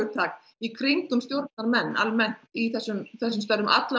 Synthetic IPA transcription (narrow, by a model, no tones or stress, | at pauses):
ʏt̪ʰɾaːk̪ | ikʰɾiŋkʏmst̪jowɾt̪̚naɾmɛnːa̰lmɛn̥t̪iθɛsːʏmθɛsːʏmst̪œɾʏmʔa̰t̪la